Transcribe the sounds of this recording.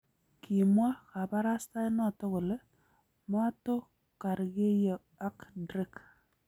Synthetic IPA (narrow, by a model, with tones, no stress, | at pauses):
kʰi˨mwa˦ka˨ba˦ɾa˦sta˦ɪ˦nɔ˦˨tɔ˦ko˨le˦ | mwa˦to˦ | ka˨ɾɡe˦jɔ˨ | a˦kdɾɪ˦k